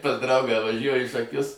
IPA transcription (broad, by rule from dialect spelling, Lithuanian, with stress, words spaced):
pɐs ˈdrɐʊɡɑː ʋɐˈʒʲuɔjʊ iː ʃɐˈkʲʊs